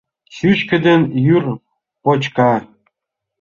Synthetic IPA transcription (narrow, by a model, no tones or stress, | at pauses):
ɕʲyt͡ɕkɘ̆d̪ĕnjyr | pot͡ɕkɑ